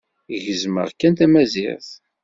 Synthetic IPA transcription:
ʝəzmə̰ʁkːænt̪æmæzɪ̰ʁθ

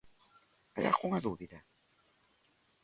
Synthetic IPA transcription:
a̰ja̰xʰoŋad̪uːbid̪a

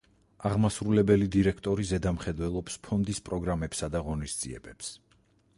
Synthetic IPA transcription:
aʁmasɾulɛbɛlid̪iɾɛkʰt̪ʼɔɾizɛd̪amχɛd̪wɛlˠɔpspʰɔnd̪ispʼɾɔɡɾamɛpsad̪aʁɔnisd̪z̥ʼiɛ̰bɛps

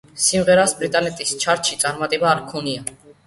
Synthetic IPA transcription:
simʁɛɾɑsbɾit̪ʼɑnɛt̪ʼist͡ʃʰɑɾt͡ʃʰit͡sʼɑɾmɑt̪ʼɛbɑːɾkʰɔniɑ

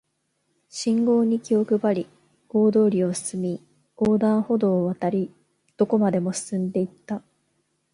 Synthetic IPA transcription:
ɕĩŋɡo̞ːɲ̟ikʲio̞kɯ̟baɾʲi | ɡo̞ːd̪o̞ːɾʲio̞sɨ̥sɨmʲi | oːd̪ãɰ̃ho̞d̪o̞ːβat̪aɾʲi | d̪̥o̞ko̞mad̪e̞mo̞sɨ̥sɨ̃nd̪e̞it̪ːa

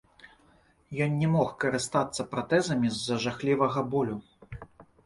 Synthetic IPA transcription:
jɔnnʲɛmɔxkɐɾɨst̪at̪sːɐpɾat̪ɛzɐmʲizːɐʐaxlʲivɐɣɐbɔlʲu

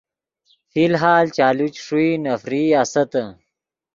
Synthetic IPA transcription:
filɦaːlt͡ɕaːlut͡ɕʂuinɐfɾiːasɐt̪ɐ

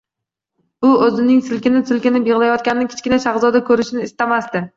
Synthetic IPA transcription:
b̥ʊɵzɪnɪŋsɪlkʲɪnɪsɪlkʲɪnɪbeʁlajɒt̪̚kʲanɪnɪkʲʰɪ̥t͡ʃʲkʲɪnaʃaχzɒd̪akʰɵɾɪʃɪnɪːst̪amast̪ɪ

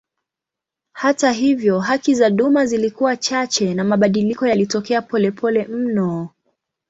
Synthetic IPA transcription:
hataɦivjɔɦakizaɗumazilikuwat͡ʃat͡ʃɛnamaɓaɗilikɔjalitɔkɛapɔlɛpʰɔlɛm̩nɔ

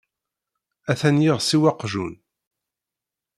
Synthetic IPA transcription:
æθænjiʁsiwɑqʒun

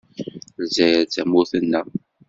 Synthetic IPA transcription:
lzæjɾt͡sæmʊθənːə

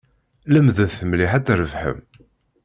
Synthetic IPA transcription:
ləmðəvθəmliħæt͡sːɾəvħə̰m

